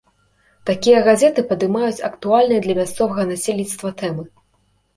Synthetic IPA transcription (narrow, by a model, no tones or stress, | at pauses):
t̪akʲijɐɣazʲɛt̪ɨpɐd̪ɨmajut͡sʲɐkt̪ualʲnɨjɐd̪lʲɐmʲast̪sɔvɐɣɐnasʲelʲnʲit̪st̪vɐt̪ɛmɨ